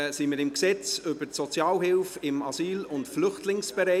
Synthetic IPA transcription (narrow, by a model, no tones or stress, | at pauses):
simɪɾɪmksɛt͡sʏbəsɔt͡sjɑːlɦɪlfɪmɑsiːlʊntflʏχtlɪŋsb̥ɛɾɛ